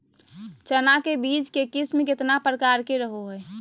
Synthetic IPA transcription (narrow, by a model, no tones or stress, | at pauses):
t͡ʃənakebiːt͡ʃkekɪsmẽkɪt̪napɾəkaːɾkeɾəɦoɦɛː